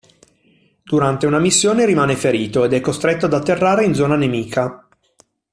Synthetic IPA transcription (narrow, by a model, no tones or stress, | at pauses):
d̪̥uɾant̪eunamisːjoːneɾimaːnefeɾiːt̪oed̪ɛkːost̪ɾet̪ːoad̪at̪ːerːaːɾeind̪zɔːnanemiːkʰa